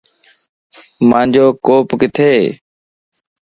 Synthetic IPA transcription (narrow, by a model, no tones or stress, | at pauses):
mãːɲd͡ʒoːkoːpkɪt̪ʰeː